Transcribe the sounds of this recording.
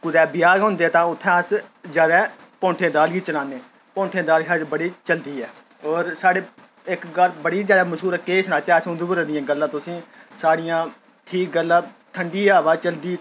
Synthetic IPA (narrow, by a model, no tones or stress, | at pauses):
kʊd̪ɛːbɪjaːɦõːnd̪eːɛːt̪ãːʊt̪ʰːɛ̃ːəszjaːd̪ɛː | põːɳʈʰẽːd̪aːlɡiːt͡ʃəlaːnːeː | põːɳʈʰẽːd̪aːlsaːbəɽiːt͡ʃəld̪iːɛː | ɔːɾsaːɽeː | ɪkɡəlbəɽiːzjaːd̪aːməʃɦuːɾɛːkeːsnaːt̪ɛːsõnd̪uːbəɾɛːd̪ɪjãːɡəlːãːt̪ʊsĩːsaːɽɪjãː | ʈʰiːk̚ɡəlːãː | ʈʰəɳɖiːaːʋaːt͡ʃəld̪iː